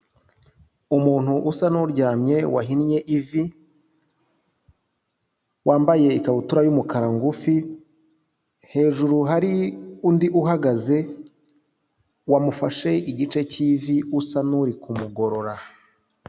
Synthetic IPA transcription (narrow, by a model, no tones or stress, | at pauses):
umuːn̥huʔusanuɾɟaːmɲe̞waɦinɲe̞ʔivi | wʔaːmbaje̞ikaβutuɾajumukaɾaŋɡufi | he̞ːʒuɾuɦaɾiundiʔuɦaɡaze̞ | wamufaʃe̞iɟit͡ʃe̞civiusanuɾikumuɡo̞ɾo̞ɾa